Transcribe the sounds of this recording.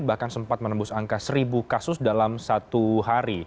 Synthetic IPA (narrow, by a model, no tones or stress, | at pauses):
bahkansəmpat̪̚mənəbʊsaŋkasəɾibukasʊsdalamsat̪uɦaɾi